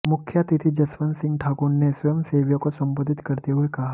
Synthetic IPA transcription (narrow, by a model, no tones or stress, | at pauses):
mʊkʰːjat̪it̪ʰid͡ʒɐsʋənsɪ̃ŋɡʈʰakuɽnesʋɐjəmseʋjokosəmbəd̪it̪kəɾt̪eɦuekaɦa